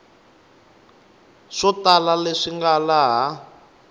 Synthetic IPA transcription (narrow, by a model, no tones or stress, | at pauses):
ʂɔtalaleʂiŋɡalaɦa